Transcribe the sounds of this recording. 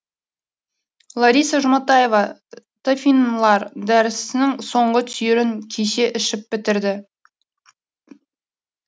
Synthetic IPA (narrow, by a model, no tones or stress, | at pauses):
lˠaɾijsaʒʊmɑt̪ɑje̞vɑ | t̪ʰofʲinlˠɑɾd̪æɾɪsɪnɪŋso̞ɴʁət̪ʰʏjɪɾɪŋkʲʰeʃe̞ʔɪʃɪp̚bɪt̪ɪɾd̪ɪ